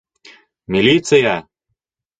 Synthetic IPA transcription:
mʲilʲit̪sɨja

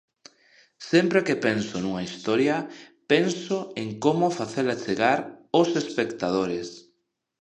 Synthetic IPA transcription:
sɛmpɾekepensonuŋaist̪ɔɾjɐpensoeŋkomʊfaθelat͡ʃeɣaɾosespekt̪að̞oɾes

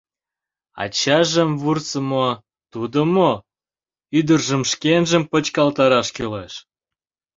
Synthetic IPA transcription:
ɑ̰t͡ɕɑʒəmβurt͡səmo | t̪ud̪əmo | yd̪ərʒəmʃkenʒəmpə̆t͡ɕkɑlt̪ɑɾɑʃkyleʃ

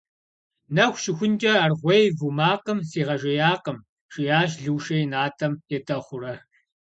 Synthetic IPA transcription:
nɐxʷʃɪxʷʊnt͡ʃʼɐarʁʷɐjvumaːqəmsiːʁɐʒɐjaːqəm | ʃʼɪjaːʃ̬ɮɨwʃɐjnaːtʰɐmetʰɐχʷʊrɐ

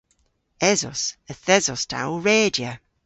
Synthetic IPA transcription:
ɛzɔ̰səθɛzɔstʰa̰wɹeːdjə

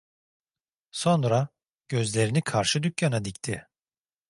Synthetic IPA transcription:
so̞nɾa | ɟ̥ø̞zlʲe̞ɾinikʰaɾʃɯd̪ycjanad̪ict̪ʰɪ

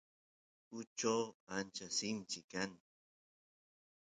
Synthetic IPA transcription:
ʊt͡ʃawant͡ʃasɪnt͡ʃɪkan

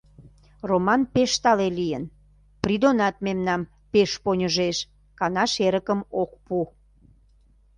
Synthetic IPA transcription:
romɑnpeʃt̪ɑlelijən | prid̪onɑt̪̚memnɑm | peʃponʲəʒeʃ | kɑnɑʃeɾəkəmok̚pu

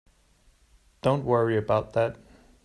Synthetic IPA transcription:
d̥õʊ̃nʔwɜɹiɨbaʊt̪̚ðæt̚

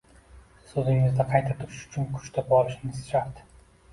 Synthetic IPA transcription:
sɵzɪŋɪzd̪aqʰɑjt̪ʰat̪ʰʊɾɪʃʊ̥t͡ʃʰʊnkʰʊ̥t͡ʃt̪ʰapɒlˠɪʃɪnɪz̥ʃaɾt̪

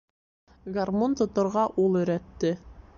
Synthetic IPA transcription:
ɡarmont̪ŏt̪ŏɾʁɑʔulˠɵ̆ɾæt̪ːɘ

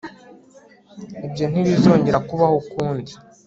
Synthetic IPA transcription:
ibjo̞n̥hiβizo̞ːɲɟe̞ɾakuβahokuːndi

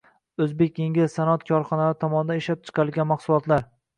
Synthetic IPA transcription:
ɵzbe̞kʲjeŋʲɪzsanɒt̪kʰɒɾχɒnalaɾɪt̪ʰɒmɒnɪd̪aneʃlap̚t͡ʃʰɨ̥qʰɑɾɪlɡʲanmɑχsʊlˠɒt̪laɾ

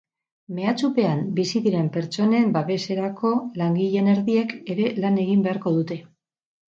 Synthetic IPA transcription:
me̞at͡supe̞ambisiðiɾe̞mpe̞ɾt͡ʃo̞ne̞mbaβe̞se̞ɾako̞laŋɡiʎe̞ne̞ɾðie̞ke̞ɾe̞lane̞ɣ̞imbe̞aɾko̞ð̞ut̪e̞

